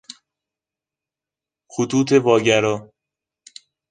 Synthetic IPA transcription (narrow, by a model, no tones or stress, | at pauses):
xot̪ʰuːt̪ʰe̞vɒːɟæɾɒː